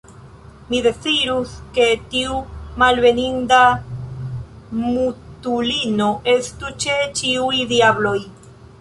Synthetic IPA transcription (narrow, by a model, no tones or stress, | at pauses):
mide̞t͡siɾuske̞tiumalbe̞ninda | mutulino̞ʔe̞stut͡ʃe̞t͡ʃiujdiablo̞j